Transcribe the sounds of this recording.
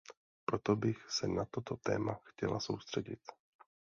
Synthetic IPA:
pɾot̪o̞bɪxsɛnat̪o̞t̪ot̪ɛ̰ːmaxcɛla̰so̞wst̪r̝̥ɛɟɪ̰t̪

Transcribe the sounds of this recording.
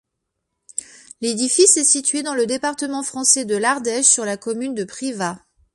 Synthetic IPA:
led̪ifisɛsit̪ɥed̪ɑ̃ləd̪epaʁt̪əmɑ̃fχɑ̃sɛd̪əlaʁd̪ɛʃsyʁlakɔmynd̪əpχiva

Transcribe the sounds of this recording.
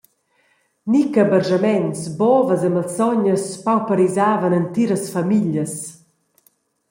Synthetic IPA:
nikəbəɾʒamɛnsbɔvəzəmalt͡sɔɲəspawpəɾizaːvənənt̪iɾəsfamiʎjəs

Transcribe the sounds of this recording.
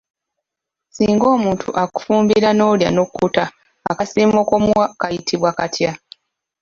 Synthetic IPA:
siːŋɡo̞ːmuːntʰṵʔaku̥fuːmbiɾano̞ːlja̰nokːutaː | kasiːmokomwakajitʰiβwakatʰja

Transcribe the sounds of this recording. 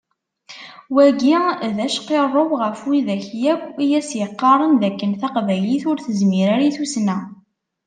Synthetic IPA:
wæɡiðæʃqerˤːəwʁəfwiðæçjækʷːijæsjəqːɑɾˤənðækːənθɑqvæliθʊɾθəzmiɾaɾiθusnæ

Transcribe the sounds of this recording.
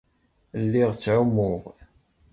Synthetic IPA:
lːiʁt͡sːʕumʊʁ

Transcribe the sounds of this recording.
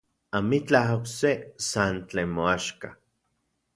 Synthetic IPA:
amit͡ɬahoksesant͡ɬeːnmoaʃka

